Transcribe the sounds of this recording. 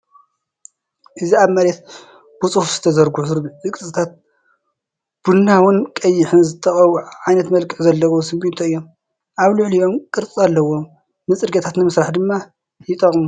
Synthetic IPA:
ʔɨziaβmɐɾet̪̚ | b̥ut͡sʼuhfz̥ɨ̥t̪ʰɐzɐɾɡuɨɾzɨkʼɨt͡ssʼɨt̪ʰat̪̚ | b̥unːawʊnkʼɐjːɪħɨnzɨt̪ʰːɐxʼɐβuʕajnɐt̪mɐlkʼɨħzɐlːɐwosɨmbint̪ʰoɨjːo̞m | ʔaβlɨʕlijo̞mkʼɨɾt͡sʼialːɐwo̞mː | ɨt͡sʼɨɾɡɐt̪ʰat̪nɨmɨsɾaħd̪ɨmːa | jɪt̪ʼɐχʼmu

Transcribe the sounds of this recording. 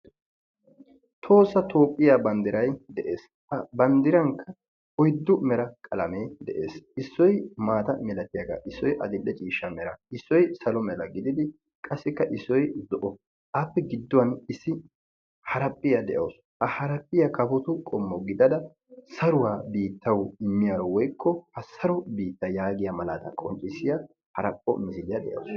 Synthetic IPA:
t̪ʰo̞ːsːɐt̪ʰo̞ːpʼːɪjaːbɐnd̪ɪɾɐjd̪ɛʔeːs | ɐbɐnd̪ɪɾɐŋkʰːɐ | ɔjd̪ːʊmɛɾɐkʼɐlɐmeːd̪ɛʔe̞̰ːsɪsːɔjmaːt̪ɐmɛlɐt̪ɪjɐɡa̰ːʔɪsːɔjʔɐ̰d̪ɪlːɛt͡ʃʼiːʃːɐmɛɾɐɪsːɔjsɐlɔmɛlɐɡɪd̪ɪd̪ɪ | kʼɐsːɪkːɐʔɪsːɔjd̪ɔʔɔ | ʔapːɛɡɪd̪ːɔwɐnɪsːɪ | hɐɾɐpʼːɪjɐd̪ɛʔo̰s | ʔɐhɐɾɐpʼːɪjɐkɐfɔt̪ʊkʼɔmːɔɡɪd̪ɐd̪ɐ | sɐɾʊwaːbiːt̪ːɐwɪmːɪjaɾɔwɔjkːɔhɐsɐɾɔbiːt̪ːɐjaːɡɪjɐmɐlad̪ɐ̰kʼɔnt͡ʃʼːɪsɪja | hɐɾɐpʼːɔ̰mɪsɪlɪjɐd̪ɛ̰ʔɐ̰s

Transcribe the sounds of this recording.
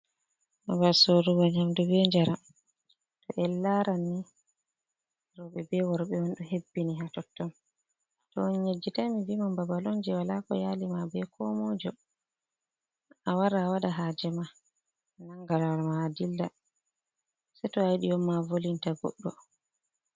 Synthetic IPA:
abasoɾuɡɔɲamdubɛɲd͡ʒaɾam | tɔʔɛlːaɾanːi | ɾɔɓɛbɛwɔɾɓɛɔnɗuɦebːiniɦatɔtːɔn | tɔɔnɲed͡ʒːitamivimambabalɔnd͡ʒɛwalakɔ̰jaːlimabɛkʰɔmɔd͡ʒɔ | awaɾaːwaɗaɦaːd͡ʒɛma | naŋɡaɾawalmaːdilːa | sɛtɔajɗijɔmːavolintaɡɔ̰ɗːɔ

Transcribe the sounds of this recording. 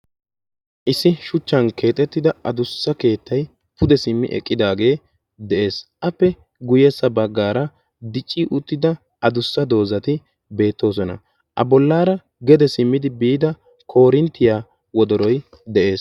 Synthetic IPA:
ʔɪsːɪʃʊt͡ʃːɐnke̞ːt̪ʼɛt̪ːɪd̪ɐɐd̪ʊsːɐke̞ːt̪ːɐj | pʊd̪ɛsɪmːɪ̰ʔɛ̰kʼːɪd̪aːɡe̞ː | d̪ɛʔe̞ːsʔɐpːɛ | ɡʊjɛsːɐbɐɡːaːɾɐ | d̪ɪt͡ʃʼːiːʔʊt̪ːɪd̪ɐ | ʔɐd̪ʊsːɐd̪o̞ːzɐt̪ɪ | be̞ːt̪ːo̞ːs̬ɔnɐ̰ | ʔɐ̰bɔlːaːɾɐ | ɡɛd̪ɛsɪmːɪd̪ɪbiːd̪ɐ | kʰo̞ːɾɪnt̪ːɪjaː | wɔd̪ɔɾɔj | d̪ɛʔe̞ːs

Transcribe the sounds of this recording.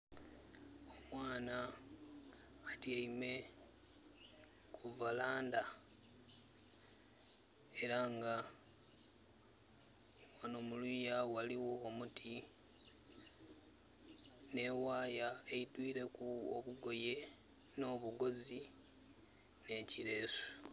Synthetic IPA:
o̞mwaːna | tiaime̞ | kʰuvalaːnda | e̞ɾaŋɡa | wanomulujawaliwo̞ːmutʰi | ne̞ːwaːjaeidwiːɾe̞kuo̰βuɡo̞je̞ | no̞ːβuɡo̞zi | ne̞ciɾe̞ːso̥

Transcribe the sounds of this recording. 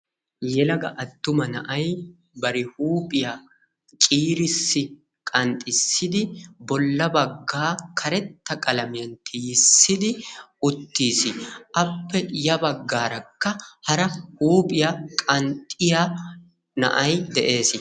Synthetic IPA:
jɛlɐɡɐʔɐt̪ːʊmɐnɐʔɐj | bɐɾɪhuːpʼɪja | t͡ʃʼiːɾɪsːɪ | kʼɐnt̪ʼɪsːɪd̪ɪbɔlːɐbɐɡːaːkʰɐɾɛt̪ːɐkʼɐlɐmɪjɐnt̪ʰɪjɪsːɪd̪ɪʊt̪ːiːsɪʔɐpːɛjɐbɐɡːaːɾɐkːɐhɐɾɐhuːpʼɪjakʼɐnt̪ʼɪja | nɐ̰ʔɐjd̪ɛʔe̞ːsɪ

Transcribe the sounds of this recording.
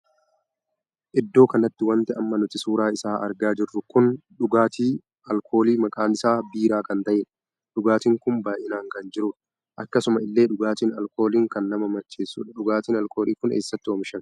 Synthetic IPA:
ʔɪd̪ːo̞ːkɐnɐt̪ːɪwɐnt̪ɛɐmːɐnʊt̪ɪsuːɾaːɪsaːʔɐ̰ɾɡaːd͡ʒɪrːʊkʊnᶑʊɡaːt̪iː | ʔɐlkʰo̞ːliːmɐkʼaːnɪsaːbiːɾaːkɐnt̪ɐʔeːᶑɐ̥ | ᶑʊɡaːt̪iːŋkʊmbaːjʔɪnaːŋkɐnd͡ʒɪɾʊːᶑɐ̥ | ʔɐkːɐsʊmɐɪlːe̞ːᶑʊɡaːt̪iːnɐlko̞ːliːŋkɐnːɐmɐmɐt͡ʃːe̞ːsːṵːᶑɐᶑʊɡaːt̪iːnɐlko̞ːliːkʊnḛːsːɐt̪ːɪwɔmɪʃɐn

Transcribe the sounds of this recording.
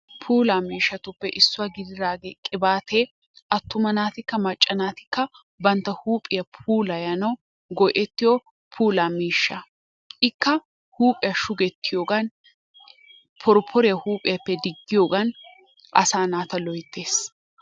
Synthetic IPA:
pʰuːlaːmiːʃːɐt̪ʊpːɛʔɪsːʊwaːɡɪd̪ɪd̪aːɡeːkʼɪbaːt̪ʰeː | ʔɐt̪ːʊmɐnaːt̪ɪkːɐmɐt͡ʃʼːɐnaːt̪ɪkːɐ | bɐnt̪ːɐhuːpʼɪjɐpʰuːlɐjɐnɐw | ɡɔʔɛt̪ːɪjo | pʰuːlaːmiːʃːɐ | ʔɪkːɐ | huːpʼɪjɐʃʊɡɛt̪ʰːɪjoːɡɐn | pʰɔɾpʰɔɾɪjɐhuːpʼɪjɐpːɛd̪ɪɡːɪjoːɡɐn | ʔɐ̰saːnaːt̪ɐlɔjt̪ːeːs

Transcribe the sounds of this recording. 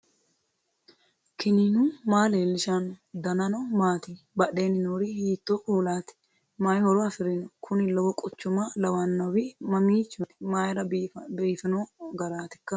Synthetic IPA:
kɪninuːmaːleːlːɪʃanɔd̪ɐnɐnɐwmaːt̪i | bɐɗeːnɪnoːɾihiːt̪ːoːʔuːlaːt̪ɪ̥ | maːjhɔɾɔɐfɪɾɪnɔkʰʊnɪlɐwɔkʼɔt͡ʃːʊmalɐwanːɐwɪmɐmiːt͡ʃːʊt̪maːjɾɐbiːfɪnoːɡɐɾaːt̪ɪ̥kːɐ

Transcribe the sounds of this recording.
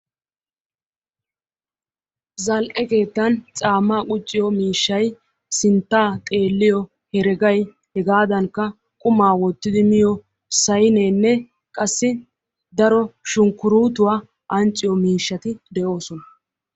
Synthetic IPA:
zɐlʔɛke̞ːt̪ːɐnt͡sʼaːmːaːkʼʊt͡ʃʼːɪjɔmiːʃːɐj | sɪnt̪ːaːt̪ʼe̞ːlːɪjɔ | hɛɾɛɡɐj | hɛɡaːd̪ɐŋkːɐ | kʼʊmaːwɔt̪ːɪd̪ɪmɪjɔ | sɐjne̞ːnːɛ | kʼɐsːɪ | d̪ɐɾɔʃʊŋkːʊɾuːt̪ʊwaː | ʔɐnt͡ʃʼːɪjɔmiːʃːɐt̪ɪd̪ɛʔo̞ːsɔnɐ

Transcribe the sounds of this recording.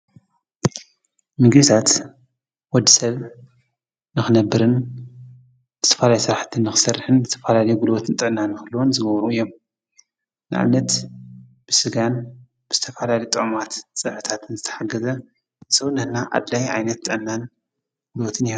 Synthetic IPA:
mɨɡɨt̪ʰat̪ | wɔd̪ːisɐβ | nɨxɨnɐbːɨɾɨn | zɨ̥t̪ʰɐ̥falajusɨɾaħt̪ʰɨnːɨxɨ̥sɐrħɨnzɨt̪ʰɐfalalɐjuɡulwot̪ʰɨnt̪ʼɨʔnːanːɨxɨlːuwonzɨɡɐβɾuɨjːom | nɨʕa̰βnɐt̪ | b̥ɨsɨɡan | b̥ɨz̥ɨt̪ʰɐfalaljut̪ʼɨʕmat̪t͡sʼɨħɨt̪ʰat̪ʰɨnzɨt̪ʰɐ̥ħaɡɐzɐ | sɐwnɨhnaʔa̰d̪lajʕa̰jnɐt̪ːʼɨʔnːan | ɡ̥ulot̪ʰɨnihon

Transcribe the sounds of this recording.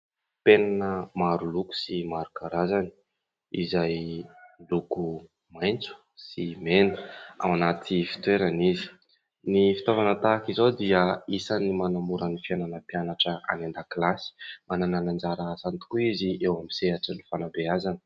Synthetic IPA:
penanəmaɾuluku̥simaɾukaɾazani̥ | izajluku | majnt͡su̥ | simenə̥a̰wanat̪ʰifi̥t̪weɾanizi̥ | nifi̥t̪avanət̪aːkizawd̪iəisanimanamuɾənifiananəpjanaʈ͡ʂəa̰nand̪akilasi̥manananand͡zaɾasant̪u̥kuiziʔewamiseaʈ͡ʂənifanabeazanə̥

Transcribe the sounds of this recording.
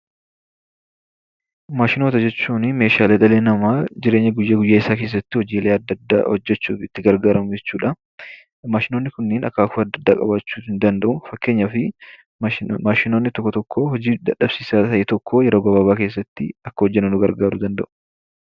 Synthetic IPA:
maːʃɪnoːt̪ɐd͡ʒɛt͡ʃːuːnɪme̞ːʃaːleːᶑ̪ɐleːnɐmaːd͡ʒɪɾe̞ːɲːɐɡʊjːɐɡʊjːaːɪsaːke̞ːs̬ːɐt̪ːɪhɔd͡ʒiːleːɐd̪ːɐd̪ːa̰hɔ̰d͡ʒːɛt͡ʃːṵːfɪt̪ːɪɡɐɾɡaːɾɐmʊd͡ʒɛt͡ʃːuːᶑɐ | maːʃɪnonːɪkʊnːeːnɐ̰kːaːkʊɐd̪ːɐd̪ːaːkʼɐ̰baːt͡ʃːuːhɪnd̪ɐnd̪ɐʔʊfɐkːe̞ːɲːɐfɪ | maːʃɪno̞ːnːɪt̪ɔkːɔt̪ɔkːohɔd͡ʒiːd̪ɐᶑɐbsiːsaːt̪ɐʔeːt̪ɔkʰːojɛɾo̞ːɡɐbaːβaːke̞ːs̬ːɐt̪ːɪɐkːɐhɔd͡ʒːɛnːɐnʊɡɐɾɡaːɾʊd̪ɐnd̪ɐ̰ʔʊ̥

